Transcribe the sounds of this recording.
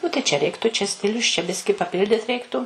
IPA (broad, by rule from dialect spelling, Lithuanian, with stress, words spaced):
ˈnʊ tɐɪ t͡ʃʲɛ ˈrʲɛɪktʊ t͡ʃʲɛ ˈsʲtʲɪlʲʊs t͡ʃʲɛ ˈbʲɪsʲkʲɪ pɐˈpʲɪlʲdʲɪt ˈrʲɛɪktʊ